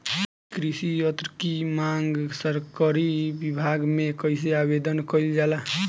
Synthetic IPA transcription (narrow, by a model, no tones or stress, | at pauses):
kɾisijət̪ɾkimaŋɡsəɾkəɾibibʱaɡmekəjseabed̪ənkəjld͡ʒala